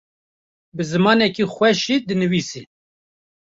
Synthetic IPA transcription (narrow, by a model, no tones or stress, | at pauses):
bɨzɨmɑːnɛkixʷwɛʃid̪ɨnɨviːsiː